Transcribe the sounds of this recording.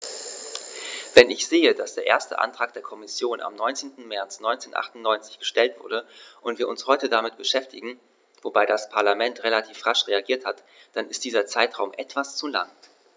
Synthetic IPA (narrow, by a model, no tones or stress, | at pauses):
vɛnɪçz̥eːədasd̥eːɐʔḛːɐstə̰ʔa̰ntʁ̥aːk̚d̥eːɐkʰɔmɪsjoːnʔa̰mnɔʏnt͡seːntn̩mɛɐt͡snɔʏnt͡seːnʔa̰χtʊn̩nɔʏnt͡sɪ̥çɡ̥əʃtɛltv̥ʊɐɾdəʔʊntv̥iːɐʊnshɔʏtədamɪt̚b̥əʃɛftɪɡŋ̩ | vobaɪdaspʰaɐlamɛntʁelatʰiːfʁaʃʁeaɡiːɐthat | d̥anɪstd̥iːzɐt͡saɪtʁaʊmʔɛtv̥ast͡sula̰ŋ